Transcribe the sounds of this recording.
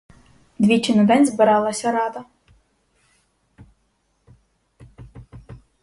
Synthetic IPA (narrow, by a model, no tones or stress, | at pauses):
d̪ʲʋʲit͡ʃɪnʊd̪ɛnʲzbɪɾɑlˠɐsʲɐɾɑd̪ɐ